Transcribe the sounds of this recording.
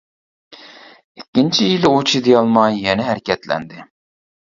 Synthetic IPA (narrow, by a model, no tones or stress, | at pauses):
ikʲːint͡ʃʰijilot͡ʃʰid̪ijɑlˠmɑjːɛnɛɦæɾɪkʲɛt̪lɛ̰nd̪ɪ